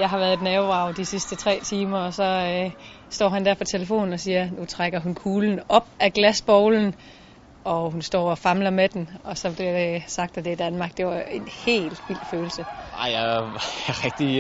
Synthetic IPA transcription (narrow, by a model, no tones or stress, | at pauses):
jɑ̈ɪɦɑ̈ʋæɐð̩ˠe̝dnɛʊɑ̈ʊd̥isisd̥ət͡sʰʁɛ̰ːt͡sʰiːmɐɒ̽sɒ̽ø | sd̥ɒ̰ːɦænd̥æɐpʰɒ̽t͡sʰeləfo̝̰ːn̩ɒsiːɐnut͡sʰʁaɡ̥ɐɦunkʰuːln̩ɒ̽b̥̚æɡ̥læsb̥ɒʊln̩ | ɒ̽hunsd̥ɒ̰ːɒfɑ̈mlɐmed̥enɒ̽sɒ̽b̥liɐde̝sɑ̈ɡ̥d̥æd̥e̝æd̥ænmɑ̈ːɡ̥d̥e̝ʋɑ̈e̝nhe̝̰ːld̥ʋil̰̥føːl̩səɑ̰ɪja | ʁɛɡ̥̚d̥i